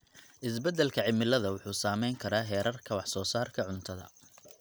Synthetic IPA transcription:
ʔɪs̬bɛd̪ɛlkʰɐʕɪmɪlɐðɐwʊħuːsaːmɛjŋkʰɐɾaːɦɛːɾɐrkʰɐwɑħsɔːsaːrkʰɐʕʊnt̪ʰɐðɐ̰

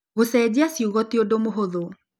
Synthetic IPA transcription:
ɣosɛd͡ʑeasiuɣɔteodomoɦoðo

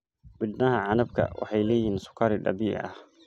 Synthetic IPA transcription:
bɪd̪nɐhɐʕanɐb̚kʰɐ̰wɑ̰ħɑjlɛːjiːnsʊ̥kʰːɐɾɪɗɐ̰biːʔʔɐ̰h

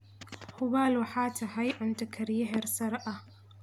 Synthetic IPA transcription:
hʊβaːlwɑħaːt̪ʰɐɦɐjʕʊnt̪ʰɐkʰɐɾjɐɦɛrsɐɾʔɐ

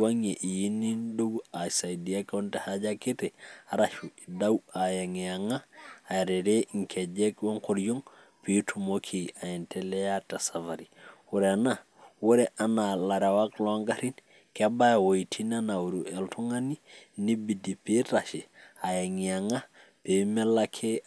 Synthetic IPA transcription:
waŋeʔijinindoɡasajdiakontehad͡ʒakitɛaɾaʃuidawajaŋiaŋaːɾeɾeŋkʰed͡ʒekwoŋkoɾjoŋ | pitʰumokʰiajintʰelɛjatasavaɾiwuɾena | wuɾɛʔanalaɾewakloŋɡaɾin | kebajawoitʰinanawuɾuɛltʰuŋaninibidipeɾaʃiajaŋiaŋa | pemelakʰe

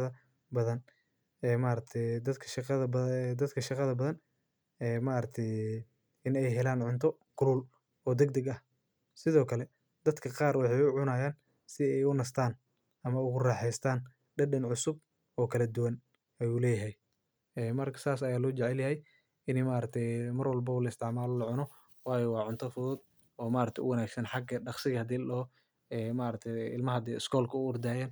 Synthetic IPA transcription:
ɐ | bɐðɐn | ɛːmaːɾɐk̚t̪ʰɛjd̪ɐd̪kʰɐʃqðɐbd̪ɐd̪kʰɐʃɑqɑðɐbɐðɐn | ɛːmaːɾɐt̪ʰɛj | ɪnɛjɦɛlaːnʕʊnt̪ʰɔkʰʊluːl | ɔːd̪ɛɡd̪ɐɡɐh | sɪðɔːkʰɐlɛ | d̪ɐd̪kʰɐqɑːrwɑħɑjʊʕʊnaːjaːn | sɪɛjʊnɐst̪ʰaːn | ʔɐmɐʊɣʊrɑːħɛjst̪ʰaːn | ɖɐɖɐnʕʊsʊb̚ | ɔːkʰɐlɐd̪ʊwɐn | ɐjuːlɛːjɐɦɛj | ɛːmɐrkʰɐ̥saːsɐjaːlɔːt͡ʃɛʕɛljɐɦɛj | ɪnɛmaːɾɐk̚t̪ʰɛjmɐrwɐlbɐwlɐɪst̪ʰɪʕmaːlɔlɐʕʊnɔ | wɑːjɛwɑːʕʊnt̪ʰɐfʊðɔd̪ | ɔːmaːɾɐk̚t̪ʰɛʔʊwɐnaːɡsɐnħɑɡɐɖɑqsɪɣɐhɐd̪iːlɐ | ɛːmaːɾɐk̚t̪ʰɛɪlmɐɦɐd̪ɛɪskʰɔːlkʰɐʊʊrd̪aːjaːn

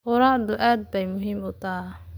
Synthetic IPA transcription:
ʊɾaʕd̪ʊʔaːd̪̚bɛjmʊɦiːmʊt̪aː

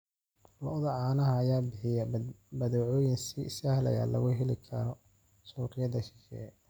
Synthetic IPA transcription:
lɔʔðɐʕɑːnɐɦɐːjaːbɪħɪjɐbɐðɔʕɔːjɪnsiɪsɐhlɐ̰ja̰lɐ̰ɣʊɦɛlɪkʰɐɾɔ | suːɾɪjɐdɐʃɪʃɛ̰ː

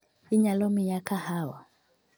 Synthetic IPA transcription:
iɲalɔmijakahawa̰

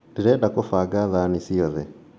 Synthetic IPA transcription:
diɾɛɗakɔfaɡaðanisiɔðɛ

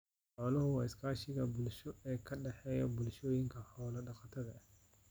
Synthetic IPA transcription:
ħɔːlɐhʊwɑːɪskʰaːʃɪɣɐbʊlʃɔɛːkʰɐɖɛħɛːjɔbʊlʃɔːjɪŋkʰɐhɔːlɐɖɑqɑt̪ʰɐðɐh

